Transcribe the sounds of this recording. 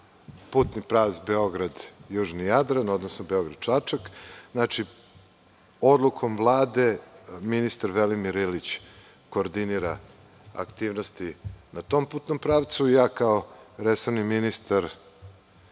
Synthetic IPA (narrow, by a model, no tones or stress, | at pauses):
puːt̪nipɾaːʋt̪sbeo̞ɡɾad̪juːʐnijad̪ɾano̞d̪nosnobeo̞ɡɾad̪̥̚t͡ʂat͡ʂak̪naːt͡ʂi | o̞d̪lˠukʰo̞mvlˠaːd̪e̞minist̪aɾʋelimiɾilit͡ɕ | koːɾd̪iniɾa | a̰kt̪iːʋnost̪inat̪o̞ːmpuːt̪nompɾaːʋt̪sujaːkaoɾeso̞vniminist̪aɾ